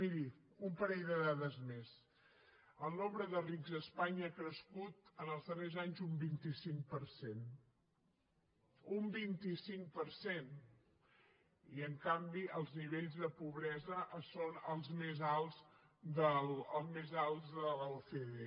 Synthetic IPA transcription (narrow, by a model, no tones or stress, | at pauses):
miɾi | umpəɾɛʎðəðaðəzmes | əlˠnombɾəðəriɡzəspaɲəːkɾəskut̪ənəlˠzðərezaɲzumbint̪isiŋpəɾsen | umbint̪isiŋpəɾsen | iəŋkambiəlˠzniβeʎzðəpuβɾɛzəʔsonəlˠzmezalˠz | d̪ələlˠmezalˠzðələlfee